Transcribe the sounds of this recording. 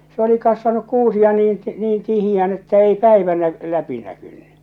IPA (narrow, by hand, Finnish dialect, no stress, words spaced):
se oli kɑsʋɑnuk kuːsiɑ niːn ti niːn tihijæːn etːæ ei pæiʋæ næ læpi nækyn̥ːẙ